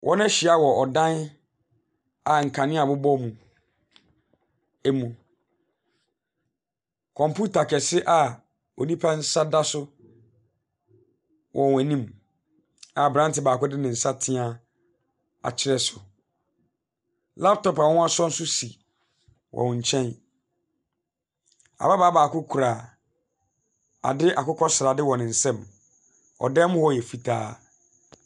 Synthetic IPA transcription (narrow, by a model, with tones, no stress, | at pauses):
wʔɔ̰̃˦n˦ɕi˨a˦wɔ˨ɔ˨dã˦n | a˨ŋ̩˨kʰã˨nɪ̃˦a˨bʊ˦bɔ˦mũ˨ | æ˦mũ˨ | kʰɔ̃˨mpʰu˦tʰa˨kʰɛ˨sɪ˦ʔa˨ | ɔ˨nĩ˦pʰa˦n̩˦sa˦da˦sʊ˦ | wʔɔ˨wæ˨nĩ˦m | a˨bɾã˦n˦tɪ˨baː˨kʊ˦dɪ˦nɪ̃˨n̩˨sa˦tʰɪ̃˦a˦ | a̰˨t͡ɕʰɪ˦ɾɛ˦sʊ˨ | la˦p̚tʰɔ˨pa˨w̃a˦sɔ˦n̩˦sʊ˦si˨ | wʔɔ̰̃˨n˨ɲ̩˨t͡ɕʰɛ̃˦n | a̰˨ba˦baː˨˦baː˨kʊ˦kʰu˨ɾa˨ | a̰˨dɪ˦ʔa˨kʊ˦kʰɔ˦sɾa˨dɪ˦wɔ̃˨nɪ̃˨n̩˨sɛ̃˦˨m | ɔ̰˨dɛ˦m˦hɔ˦˨ɛ˨fi˨tʰaː˦